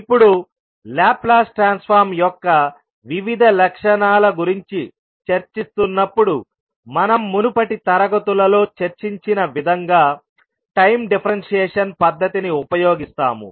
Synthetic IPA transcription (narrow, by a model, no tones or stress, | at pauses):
ipːuɽu | laːplaːsʈɾaːnspʰaːɾmjɔkːɐ | ʋiʋid̪ʱɐlɐkʂɐnaːlɐɡuɾiɲt͡ʃi | t͡ʃɐɾt͡ʃist̪unːɐpːuɽu | mɐnɐmːunupɐʈit̪ɐɾɐɡɐt̪ulɐlo̞ːt͡ʃɐɾt͡ʃiɲt͡ʃinɐʋid̪ʱɐŋɡaː | ʈɐjmɖipʰɐɾɐnʂɛːʂɐnpɐd̪ʱːɐt̪iniupɐjoːɡist̪a̰ːmṵ